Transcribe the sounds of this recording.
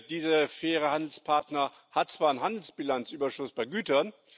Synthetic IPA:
d̥iːzəfɛːʁəhandl̩spʰaɐtnɐ | hat̚t͡sv̥aːɐnɦandl̩sb̥ilant͡sʔyːbɐʃʊsb̥aɪɡyːtɐn

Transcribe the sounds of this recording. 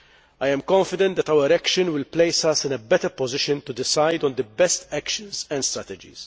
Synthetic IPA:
ɐjɛ̃mkɔ̃ɱfɪd̪ɛ̃nt̪̚d̪ɛt̪ɐwəɾækʃə̃nwɪlplejsɐsɪ̃nɛbɛt̪əɾpɔzɪʃə̃nt̪ud̪ɪsajd̪ɔ̃nd̪əbɛst̪ækʃə̃nzɛ̃nd̪st̪ɾɛt̪ɛd͡ʒḭz̥

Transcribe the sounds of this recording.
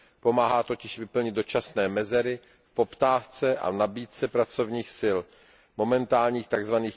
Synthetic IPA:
po̞maːɦaːt̪o̞cɪʃvɪpl̩ɲɪd̪̚do̞t͡ʃasnɛːmɛzɛɾɪ | po̞pt̪aːft͡sɛʔa̰nabiːt̪t͡sɛpɾat͡so̞vɲiːxsɪl | mo̞mɛnt̪aːlɲiːxt̪aɡzvaniːx

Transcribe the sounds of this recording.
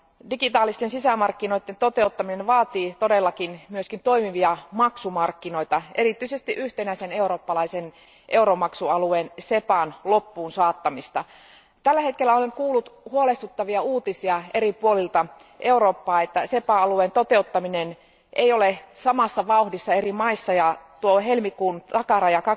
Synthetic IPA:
dikit̪ɑːlist̪ensisæmɑrkːino̞it̪ːent̪ot̪e̞ut̪ːɑminenʋɑːt̪iːt̪odelːɑkinmyøskint̪o̞imiʋiɑmɑksumɑrkːino̞it̪ɑe̞rit̪yisest̪iʔyht̪enæisene̞uɾo̞ːpːɑlɑisen | ʔe̞uɾomɑksuɑlueːnsepɑnlopːuːnsɑːt̪ːɑmist̪ɑ | t̪ælːæhet̪̚kelːæoleŋkuːlːut̪huolest̪ut̪ːɑʋiɑuːt̪isiɑeripuolilt̪ɑ | ʔeuɾoːpːɑːet̪ːæsepɑɑlueːnt̪ot̪eut̪ːɑminen | ʔḛijolesɑmɑsːɑʋɑuhdisːɑerimɑisːɑjɑt̪uoɦelmikuːnɑkɑrɑjɑkɑ

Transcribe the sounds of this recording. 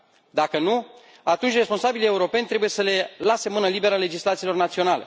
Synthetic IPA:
d̪akənu | at̪unt͡ʃʲre̞spo̞nsabilie̞uɾo̞pe̞nʲt̪ɾe̞buje̞səle̞lase̞mɨnəlibe̞ɾale̞d͡ʒislat̪siːlo̞rnat̪sio̞nalḛ

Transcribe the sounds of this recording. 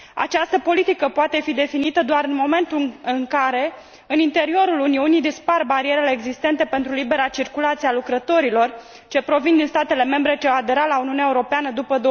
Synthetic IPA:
a̰t͡ʃast̪əpo̞lit̪ikəpoat̪e̞fid̪e̞finit̪əd̪oaɾɨnmo̞me̞nt̪uɨŋkaɾe̞ | ɨnint̪e̞ɾio̞ɾuluniunid̪isparbaɾieɾele̞ːɡzist̪e̞nt̪e̞pe̞nt̪ɾulibe̞ɾat͡ʃirkulat̪sialukɾət̪o̞ɾilo̞r | t͡ʃe̞pɾo̞vind̪inst̪at̪e̞le̞me̞mbɾe̞t͡ʃeaːd̪e̞ɾalauniuneaeuɾo̞peanəd̪upəd̪o

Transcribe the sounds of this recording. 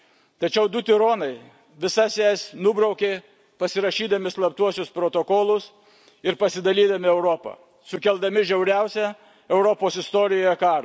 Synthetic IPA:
t̪ɐt͡ʃʲɛʊd̪ʊt̪ʲɪɾoːnɐɪ | ʋʲɪsɑsʲɛsnʊbɾɐʊkʲeː | pɐsʲɪɾɐʃʲiːd̪ɐmʲɪslˠɐp̚t̪uɔsʲʊspɾoːt̪okoːlˠʊs | ɪɾpɐsʲɪd̪ɐlʲiːd̪ɐmʲɪɛʊɾopɐ̰ | sʊkʲɛlˠd̪ɐmʲɪʒʲɛʊɾʲɛˑʊsʲɛ | ɛʊɾoːpoːsɪst̪oːɾʲɪjoːjɛkɑːɾɐ

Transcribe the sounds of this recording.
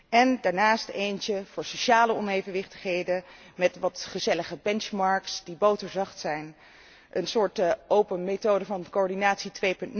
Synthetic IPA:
ɛndaːɹnaːstejnt͡ʃəv̥ʊːɹsowʃaːləɔnejvənʋɪχtə̥χɦejdə | mɛtʋɑtχəzɛləχəbɛnt͡ʃmɑɹksdibowtəɹzɑχtsɛjn | ʔənsʊːɹtʔowpənmetowdəvɑnkoɔɹdinaːtsitʋejpɵntn

